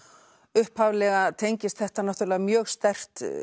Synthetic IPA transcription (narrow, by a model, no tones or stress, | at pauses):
ʏhphaːvlɛɣat̪ʰejɲcɪst̪θɛht̪anaht̪ʏɾlɛɣamjœːɣst̪ɛr̥t̪